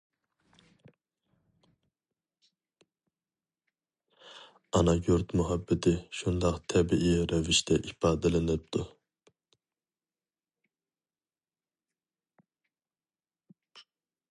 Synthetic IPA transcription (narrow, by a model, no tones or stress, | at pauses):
ɑnɑɡʲuɾt̪muɦɑbːɛt̪ʰɪʃund̪ɑqt̪ʰɛbiʔiɾɛvɪʃt̪ʰɛʔifɑːd̪ɛlˠɨnɨp̚t̪ʰu